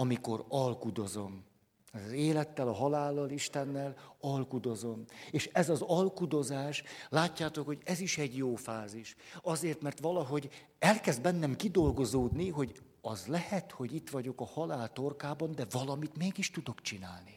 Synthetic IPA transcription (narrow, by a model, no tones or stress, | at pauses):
ɒmiko̞ɾɒlkud̪o̞zo̞m | ɛzeːlɛt̪ːɛlɒɦɒlaːlːɒliʃt̪ɛnːɛlɒlkud̪o̞zo̞meːʃɛzɒzɒlkud̪o̞zaːʃlaːcːaːt̪o̞kho̞ɟɛziʃɛɟjoːfaːziʃɒzeːrt̪mɛrt̪ʋɒlɒɦo̞ɟ | ɛlkɛzd̪̚bɛnːɛmkid̪o̞lɡo̞zoːd̪niɦo̞ɟ | ɒzlɛhɛt̪ho̞ɟit̪ʋɒɟo̞kɒhɒlaːlt̪o̞rkaːbɒnd̪ɛvɒlɒmit̪meːɡiʃt̪ud̪o̞kt͡ʃinaːlni